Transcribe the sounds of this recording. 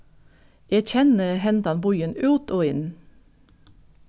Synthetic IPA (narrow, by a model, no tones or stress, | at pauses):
jæc͡çɛnəhɛnd̪ɑnbɔʏənʉːt̪ʰoːɪn